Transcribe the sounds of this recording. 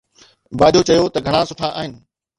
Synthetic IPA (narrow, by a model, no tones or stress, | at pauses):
baːd̪ʱot͡ɕɐjot̪ɐɡʱɐɽ̃ãsʊʈʰaʔaːɦɪnɪ̆